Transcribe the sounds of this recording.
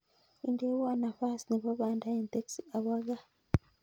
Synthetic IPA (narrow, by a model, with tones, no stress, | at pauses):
i˨nde˦wa˦na˨fa˦sini˨βa˦βaː˨nda˦je˦nte˦ksia˨βa˦ɡa˦